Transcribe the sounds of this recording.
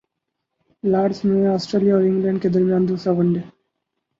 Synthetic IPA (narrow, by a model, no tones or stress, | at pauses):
laːɖsmẽɔːsʈɾeːlijaɔːɾɪ̃ŋɡlɛ̃ːɳɖked̪ɐɾmijaːnd̪uːsaʋɐɳɖe